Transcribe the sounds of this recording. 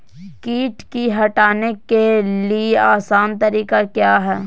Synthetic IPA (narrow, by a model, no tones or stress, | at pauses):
kiːʈkiɦɐʈaːnekelieʔaːsaːnt̪ɐɾiːkakjaːɦɛː